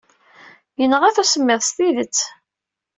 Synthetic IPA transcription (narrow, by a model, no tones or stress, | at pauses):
jənːəʁæθusəmːɪðˤst̪iðət͡sː